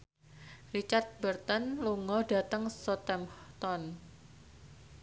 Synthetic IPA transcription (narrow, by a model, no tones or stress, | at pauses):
rit͡ʃart̪̚bərt̪ənluŋɔɖa̤t̪əŋsɔt̪ɛmt̪ɔn